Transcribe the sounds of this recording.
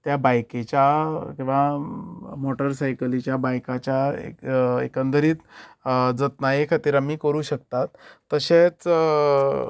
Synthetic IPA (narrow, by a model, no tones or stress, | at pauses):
t̪jabajket͡ɕjakĩw̃ʋa | moʈəɾsajkəlit͡ɕjabajkat͡ɕjaḛḛkənd̪əɾiːt͡s̪ | d͡zət̪najekʰat̪iːɾamiːkəɾuːɕək̚t̪at̪ːəɕet͡s